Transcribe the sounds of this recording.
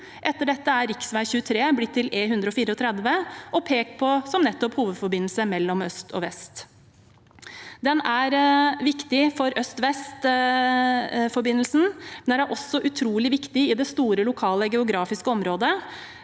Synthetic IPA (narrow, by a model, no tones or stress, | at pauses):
ʔɛt̪ːəɖɛt̪ːəæɾɪksʋæɪçʉːət̪ʰɾeːblɪt̪ʰːɪlʔeːɦʉnd̪ɾəɔfiːɾəɔt̪ʰɾɛd̪ʋəʔɔpʰeːkpʰɔsɔmnɛt̪ːɔphuːʋəd̪fɔɾbɪnl̩səmɛlːɔmœst̪ʰɔ̰ʋɛst̪ | d̪ɛnæɾʋɪkt̪ɪfɔɾœst̪ʋɛst̪ | fɔɾbɪnːəlsn̩mɛnæɾæɾʔɔsːɔʔʉt̪ʰɾuːlɪʋɪkt̪ɪɪd̪ɛst̪uːɾəlʊkʰɑːləɡɛʊɡɾɑːfɪskəɔmɾoːd̪ə